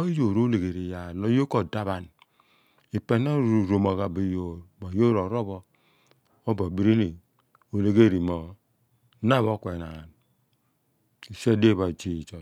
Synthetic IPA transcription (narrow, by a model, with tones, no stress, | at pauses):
o˦jo˨ɾo˦le˨ɡe˨ɾi˨ja˨no˦jo˦ko˨da˦βa˨n | i˨pe˨˦na˦ɾɾo˨mo˨ɣa˨bi˨jo˨ɾba˨jo˦ɾo˨ɾo˦bɔ˦ | o˦ba˨bi˦ɾi˦ni˨ | o˨le˨ɡe˦ɾi˨mo˨˦ | na˦˨βo˦kʷe˨na˨n | i˨se˦de˦˨βa˨d͡ʒi˦˨t͡ʃo˨